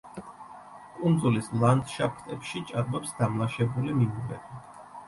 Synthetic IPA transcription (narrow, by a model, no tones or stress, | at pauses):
kʼund̪zulislˠand̪ʃapʰt̪ʼɛpʃit͡ʃʼaɾbɔpsd̪amlˠaʃɛbulimimuvɛbʰi